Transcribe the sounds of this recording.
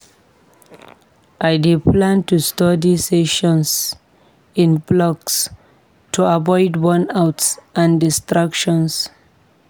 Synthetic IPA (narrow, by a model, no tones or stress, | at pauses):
ʔajdipʰlãntustɔdiseʃɔ̃ns | ĩnblɔks | tʰuavɔɪdwɔ̃nawtsʔãndistɹakʃɔ̃ns